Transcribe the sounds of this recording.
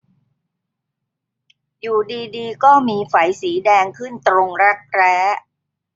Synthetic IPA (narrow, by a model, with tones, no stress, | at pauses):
juː˨˩diː˧diː˧kɔː˥˩miː˧fa˩˦jsiː˩˦dɛː˧ŋkʰɯ˥˩nt̪ɾo˧ŋɾa˦˥k̚ɾɛː˦˥